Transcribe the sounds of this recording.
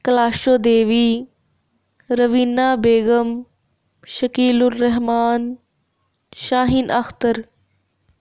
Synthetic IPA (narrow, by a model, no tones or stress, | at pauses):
kɐlaːʃoːd̪eːʋiː | ɾɐʋiːnːaːbeːɡəm | ʃɐkiːlʊrːɐɦmaːn | ʃaːɦinʔɐxt̪əɾ